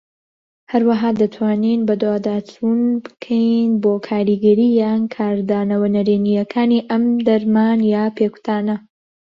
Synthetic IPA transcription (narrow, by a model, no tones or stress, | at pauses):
hɐɾwɐɦaːd̪ɐt̪ʰwaːninbɐd̪waːd̪aːt͡sʰunbɨ̥kʰɐjnbokʰaːɾiɡɐɾiːjankʰaːɾd̪aːnɐwɐnɐɾenijɐkʰaːniʔɐmd̪ɐɾmanjaːpʰeku̥t̪ʰaːnɐ